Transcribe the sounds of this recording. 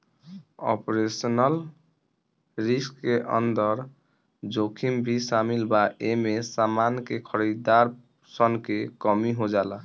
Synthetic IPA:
ɔ̰pɾesnəl | ɾiskːeʔʌ̰nd̪əɾ | d͡ʒokʰimbʱisamilbaʔemesamankekʰəɾid̪aɾ | sənkekɔmiɦod͡ʒalək

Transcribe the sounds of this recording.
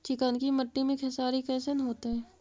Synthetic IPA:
t͡ʃɪkənkimɐʈːimẽkʰɛsaːɾikɛːsenɦoːt̪eɦɛ̃ː

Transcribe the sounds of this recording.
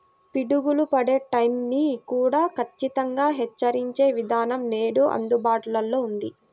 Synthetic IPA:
piɽuɡulupɐɽeːʈɐjmniːkuːɽaːkʰɐt͡ʃːit̪ɐŋɡaːɦɛt͡ʃːɐɾiɲt͡ʃe̞ːʋid̪ʱaːnɐmne̞ːɽuʔɐ̰nd̪ubaːʈulɐlːo̞ːund̪i

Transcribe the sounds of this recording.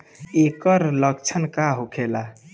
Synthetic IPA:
ekəɾləkt͡ʃʰənkaɦokʰela

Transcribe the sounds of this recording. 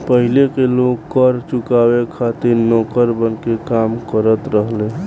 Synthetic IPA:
pəɦilekelokkəɾt͡ʃukabekʰat̪iɾnɔkəɾbənkekamkəɾət̪ɾəɦle

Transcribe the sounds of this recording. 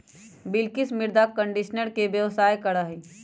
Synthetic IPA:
bɪlkɪsmɪɾd̪akə̃ɳɖiʃnəɾkeʋjəʋsaːjkɐɽaɦiː

